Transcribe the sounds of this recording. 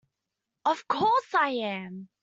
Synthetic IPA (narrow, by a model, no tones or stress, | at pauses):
ʌv̥kʰɔˑsaɪæ̃m